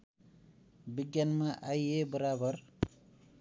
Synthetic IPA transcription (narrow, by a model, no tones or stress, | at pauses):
biɡjanmaʔaiebəɾabəɾ